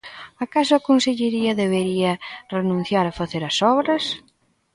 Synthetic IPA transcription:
akasʊɐkonseʎeɾiɐðeβeɾiɐrenũn̟θjaɾɐfaθeɾɐsɔβɾɐs

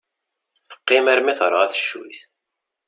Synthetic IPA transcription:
θə̥qːɪmæɾmiθɾˤəʁæθʃːṵjθ

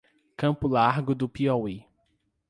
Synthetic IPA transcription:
kɐ̃pʊlaɾɡʊd̪ʊpiɔwe

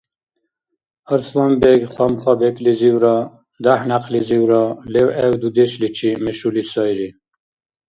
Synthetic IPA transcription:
əɾswɔmbeɡχwamχɑbekliziwɾɑ | d̪ahnaqʰliziwɾɑlewɛwd̪ud̪eʃlit͡ʃʰimeʃulisɑjɾi

